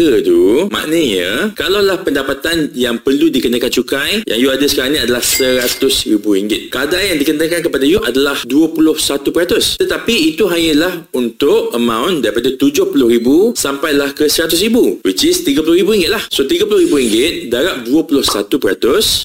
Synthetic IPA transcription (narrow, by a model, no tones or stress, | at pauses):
əd̪umã̰ʔnəɲəkalawlahpəndapat̪anjaŋpərludikənakant͡ʃukajjʔa̰ŋjuadəsə̥kaɾaŋnĩadalahsəɾat̪ʊsribuɾiŋɡɪt̪̚kadajaŋdikənəkankəpadajuʔadalahduəpulʊhsat̪upəɾat̪ʊst̪ət̪apiːt̪uɦaɲəlahunt̪ʊʔəmãwndaɾipadat̪ud͡ʒʊhpulʊhɾibusampajlahkəsəɾat̪ʊsribuwit͡ʃɪst̪iɡapulʊhɾibuɾiŋɡɪt̪̚lahsot̪iɡapulʊhrɾibuɾiŋɡɪt̪̚daɾaʔ̚duəpulʊhsat̪upəɾat̪ʊs